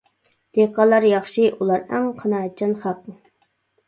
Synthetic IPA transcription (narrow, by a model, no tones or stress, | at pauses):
d̪̥eqɑlˠɑɾjɑχʃiʔulˠɑɾæŋqʰɑnɑːt͡ʃʰɑnχɑt̪̚